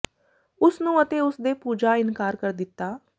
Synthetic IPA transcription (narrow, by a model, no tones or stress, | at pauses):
ʊsnũːət̪eːʊsd̪eːpuːd͡ʒaːɪnkaːɾkəɾd̪ɪt̪ːaː